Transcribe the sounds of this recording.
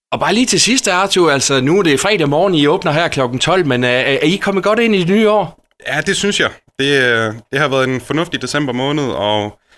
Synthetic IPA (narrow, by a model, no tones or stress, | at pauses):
ɒ̽b̥ɑ̈ːliːt͡sʰe̝sisd̥əɑ̈t͡sʰuæl̰sɒnuɾ̥e̝fʁɛ̰ːd̥æmɒːn̩iɔ̽ːb̥nɐɦæɐ̰kʰlɒ̽ɡ̥n̩t͡sʰɒ̽l̰menæɐikʰɒ̽mð̩ɡ̥ɒ̽ɾ̥e̝n̰id̥e̝nyːɒ̰ː | jæd̥e̝synsjɑ̈ɪd̥e̝d̥e̝hɑ̈ʋæːɐð̩ˠd̥enfɒ̽nɔ̽fd̥id̥e̝sem̰b̥ɐmɔ̽ːnəð̞̩ˠɒ